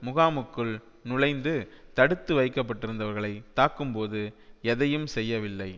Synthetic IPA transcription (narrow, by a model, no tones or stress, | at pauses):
mʊɣaːmɯkːɯɭ | nʊɻɐɪnd̪ɯt̪ɐɽɯt̪ːɯʋɐɪkːɐp̬ːɐʈːɪɾɯnd̪ɐʋɐɾɣɐɭɐɪt̪ːaːkːɯmpoːðɯɛðɐjɯmsɛjːɐʋɪlːɐɪ